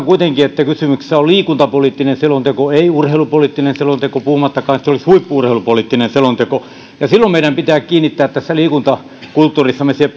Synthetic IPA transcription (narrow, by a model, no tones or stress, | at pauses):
kuit̪eŋkiet̪ːækysymykssæolliːkunt̪ɑpoliːˑt̪ːinenselont̪ekoeiurheilupoliːˑt̪ːinenselont̪ekopuhumɑt̪ːɑkɑːnt̪seolishuipːuurheˑilupoliˑt̪ːinenselont̪eko | jɑsilːommeiɾæmpit̪æːkkiːnːit̪ːæːt̪t̪æsːæliːkunt̪ɑ | kult̪ːuːrisːɑmesie